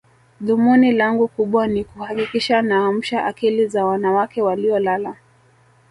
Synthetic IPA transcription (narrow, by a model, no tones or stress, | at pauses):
ðumunilaŋɡukuɓwanikuhakikiʃanaːm̩ʃaʔakilizawanawakɛwaliɔlala